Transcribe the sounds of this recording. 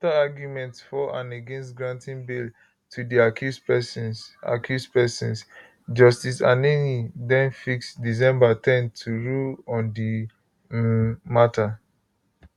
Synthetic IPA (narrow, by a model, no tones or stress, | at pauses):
taaɡjumɛ̃ntsfɔʔãneɡɛ̃nstɡɹãntĩnbil | tʰudiakjuspɛsna̰kʰjuspɛsĩns | d͡ʒɔstisãnenidɛ̃nfiksdis̬ɛ̃mbatʰɛ̃ntʰuɹulɔ̃ndi | matʰa